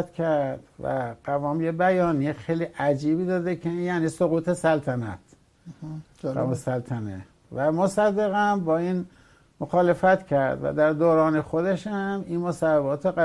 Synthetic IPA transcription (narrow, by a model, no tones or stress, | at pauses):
t̪kʰæɾd̪væ̰ɢ̥ævɒːmjebæjɒːnijexejliːʔæd͡ʒiːbiːd̪ɒːd̪ekʰeinjæːniːsoɣuːt̪ʰe̞sælt̪ʰænæ̰t̪ | osælt̪ʰænḛ | væmosæd̪ːeɣæmbɒːiːn | moxɒːle̞fæt̪cʰæɾd̪væ̰d̪æɾd̪oːɾɒːnexod̪e̞ʃæminmosæbabɒːt̪ʰoæ